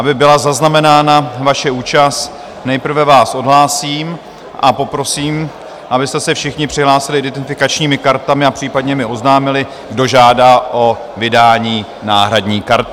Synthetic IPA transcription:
ʔabɪbɪlazaznamɛnaːnavaʃɛuːt͡ʃast̪ | nɛjpr̩vɛvaːsʔo̞dɦlaːsiːm | ʔapo̞pɾo̞siːm | ʔabɪst̪ɛsɛfʃɪxɲɪpr̝̥ɪɦlaːsɪlɪʔɪdɛɪfɪkat͡ʃɲiːmɪkaɾt̪amɪapr̝̥iːpadɲɛmɪo̞znaːmɪlɪ | ɡdo̞ʒaːdaːʔo̞ | vɪdaːɲiː | na̰ːɦɾadɲiːkaɾt̪

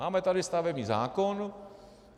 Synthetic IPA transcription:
amet̪aɾist̪aʋemizã̰konu

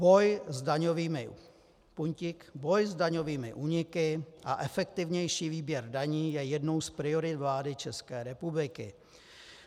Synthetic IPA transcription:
bo̞jzdaɲoviːmɪ | puɲcɪkbo̞jzdaɲoviːmɪ̰ʔuːɲɪkɪʔaʔɛfɛkt̪ɪvɲɛjʃiːviːbjɛɾdaɲiːjɛjɛdno̞wspɾɪoɾɪt̪vlaːdɪt͡ʃɛskɛːɾɛpublɪkɪ̰

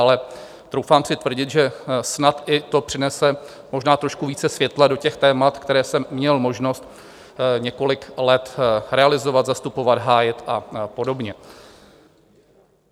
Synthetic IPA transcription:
alɛ | t̪ɾo̞wfaːmsɪt̪vr̩ɟɪt̪ʒɛsnat̪ʔɪt̪o̞pr̥ɪnɛsɛ | mo̞ʒnaːt̪ɾo̞ʃkuviːt͡sɛsvjɛt̪lado̞cɛxt̪ɛːmat̪kt̪ɛɾɛːsɛmːɲɛlmo̞ʒno̞st̪ | ɲɛko̞lɪklɛt̪ɾɛalɪzo̞vat̪zast̪upo̞vad̪ɦaːjɪt̪ʔapo̞do̞bɲɛ

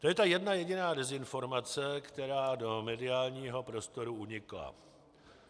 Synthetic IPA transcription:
t̪ojɛt̪ajɛdnajɛɟɪnaːdɛzɪnfo̞ɾmat͡sɛkt̪ɛɾaːdo̞mɛdɪaːlɲiːɦo̞pɾo̞st̪o̞ɾuuɲɪkla̰

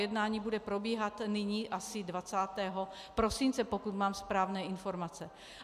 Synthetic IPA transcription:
jɛdnaːɲiːbudɛpɾo̞biːɦat̪nɪɲiːʔasɪdvat͡saːt̪ɛːɦo̞ | pɾo̞simnt͡sɛpokut̪maːmspɾaːvnɛːʔɪnfo̞ɾmat͡sɛ

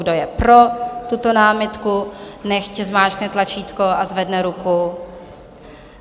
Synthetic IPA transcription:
ɡdojɛpɾo̞t̪ut̪onaːmɪt̪kunɛxcɛzmaːt͡ʃknɛt̪lat͡ʃiːt̪ko̞ʔazvɛdnɛɾuku

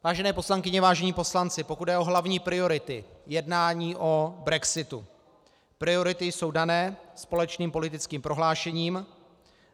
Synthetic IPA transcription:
vaːʒɛnɛːpo̞slaŋkɪɲɛvaːʒɛɲiːpo̞slant͡sɪpo̞kud̪dɛʔo̞ɦlavɲiːpɾɪo̞ɾɪt̪ɪjɛdnaːɲiːʔo̞bɾɛksɪt̪ṵ | pɾɪo̞ɾɪt̪ɪjso̞wdanɛːspo̞lɛt͡ʃniːmpo̞lɪt̪ɪt͡skiːmpɾo̞ɦlaːʃɛɲiːm

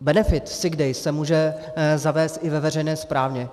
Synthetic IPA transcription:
bɛnɛfɪt̪sɪɡdɛjsɛmuːʒɛ | zavɛːst̪ʔɪvɛvɛrɛjnɛːspɾaːvɲɛ

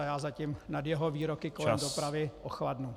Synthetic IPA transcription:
ajaːzacimnadjɛɦoviːɾokɪko̞lɛmdopɾavɪʔoxladnu

